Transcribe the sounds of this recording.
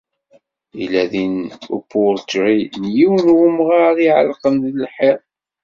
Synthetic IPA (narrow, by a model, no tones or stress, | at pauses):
ilæðinṵpːʊɾt͡ʃɾinjiwnwʊmʁɑɾˤiʕə̰lqənðəlħiɾˤ